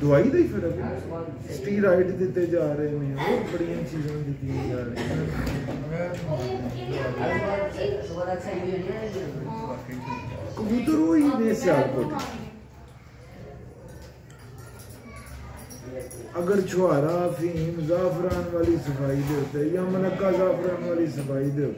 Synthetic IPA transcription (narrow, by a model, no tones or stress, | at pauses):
d̪ʊaːiːd̪aiːpʰɪɾək | sʈiːɾaːɪʈd̪ɪt̪ːeːd͡ʒaːɾəeːnẽːoːbəɽijãːt͡ʃiːzãːd̪ɪt̪ːijãːd͡ʒaːɾẽɦ | kəʋuːt̪əɾoːiːnẽːsjaːɾt̪ot̪ː | əɡəɾt͡ʃʰʊaːɾãːpʰiːnzaːpɾaːnʋaːliːsəpaːiːd̪eɾt̪ejãːmənəkːaːzaːpɾaːnʋaːliːsəpaːiːd̪eɾ